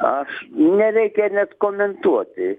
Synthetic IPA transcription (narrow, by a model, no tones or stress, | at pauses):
ɑʃnerekeːnʲet̪komːent̪uot̪ḭː